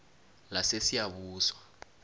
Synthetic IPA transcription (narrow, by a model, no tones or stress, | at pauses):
lasesijaɓuːswa